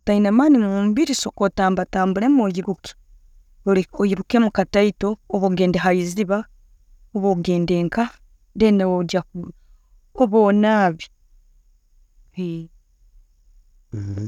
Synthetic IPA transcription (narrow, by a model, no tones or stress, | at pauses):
tainamaːnimumbiɾisokotaːmbataːmbulemojiɾuki̥ | iojiɾukemukataitoːβoɡeːndeɦaiziβa | oβoɡeːndeːŋka | deneod͡ʒaku | oβonaːβi | hi